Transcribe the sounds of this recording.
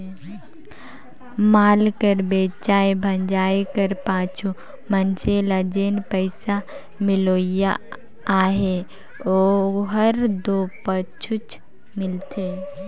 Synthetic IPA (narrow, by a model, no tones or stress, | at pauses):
maːlkəɾbeːt͡ʃaːebʱənd͡ʒaːekəɾpaːt͡ʃʰu | mənt͡ʃʰelad͡ʒeːnpəɪsa | mɪloːjaː | ɦe | oɦəɾd̪opət͡ʃʰut͡ʃ | mɪlt̪ʰe